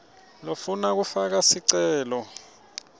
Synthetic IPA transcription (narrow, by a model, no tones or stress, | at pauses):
lofunak̬ufak̬asiǀɛːlɔ